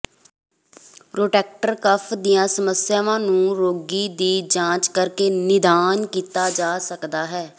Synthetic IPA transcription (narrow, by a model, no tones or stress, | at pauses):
pɾoːʈɛːk̚ʈəɾkəpʰd̪ɪjãːsəməsɪjaːʋãːnũːɾoːɡiːd̪iːd͡ʒãːt͡ʃkəɾkeːnɪd̪aːnkiːt̪aːd͡ʒaːsəkd̪aːɦɛː